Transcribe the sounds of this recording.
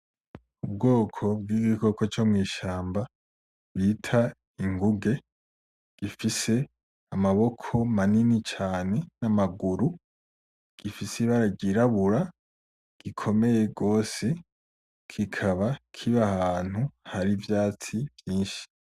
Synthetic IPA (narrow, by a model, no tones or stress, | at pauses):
ub̚ɡo̞ːkʰo̞b̚ɡiːɡiko̞ko̞t͡ʃomŋiːʃaːmba | βitʰa | iŋɡuɡe̞ | ɡ̥ifise̞ | amaβo̞kʰo̞maninit͡ʃaːne̞namaɡuɾu | ɡ̥ifisiβaɾaɟiɾaβuɾa | ɡ̥ikʰo̞me̞je̞ɡo̞ːse̞ | kʰikʰaβakʰiβahaːn̥uhaɾivjaːt͡sivjiːnʃi̥